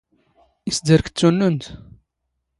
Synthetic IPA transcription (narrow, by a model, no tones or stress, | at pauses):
isd̪əɾkt͡sːunːunt̪